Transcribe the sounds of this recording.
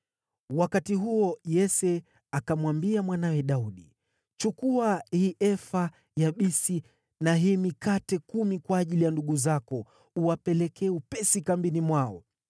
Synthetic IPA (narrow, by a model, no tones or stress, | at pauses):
wakatiɦuɔjɛsɛ | akamwambiamwanawɛɗauɗi | t͡ʃukuahiʔɛfa | jaɓisi | naɦimikatɛkumikwaːʄilijanduɠuzakɔ | uapɛlɛkʰɛupɛsikambinimwaɔ